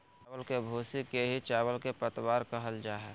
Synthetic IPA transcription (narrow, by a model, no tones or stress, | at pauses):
wəlkebʱoːsikeɦit͡ʃaːwəlkepət̪waːɾkəɦəld͡ʒaːɦɛ